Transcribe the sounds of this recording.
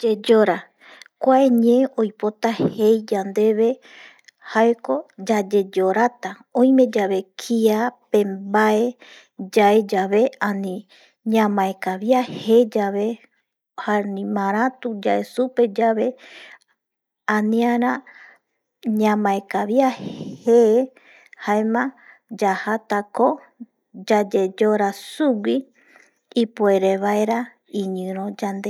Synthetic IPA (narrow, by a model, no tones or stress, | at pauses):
d͡ʒe̞d͡ʒoɾa | kʷaeɲẽ̞ojpo̞t̪ahe̞jd͡ʒand̪e̞βe̞ | haeko̞d͡ʒad͡ʒe̞d͡ʒo̞ɾat̪a | õj̃mẽ̞d͡ʒaβe̞kʰiapẽ̞mbae̞ | d͡ʒae̞d͡ʒaβe̞anĩ | ɲãmãekaβjahe̞d͡ʒaβe̞ | haɾnĩmãɾ̃ãt̪ud͡ʒaesupe̞d͡ʒaβe̞ | ãnĩaɾã | ɲãmãekaβjahhe | haemã | d͡ʒahat̪ako | d͡ʒad͡ʒe̞d͡ʒoɾasuɡiː | poeɾeβaeɾa | iɲɨ̃ɾ̃õd͡ʒand̪e